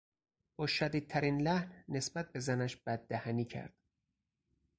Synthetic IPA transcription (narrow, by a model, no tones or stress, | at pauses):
b̥ɒːʃæd̪iːd̪̥̚t̪ʰæɾiːnlæhnːe̞sbæt̪̚be̞zænæʃb̥æd̪̚ːæhæniːcʰæ̰ɾd̪̥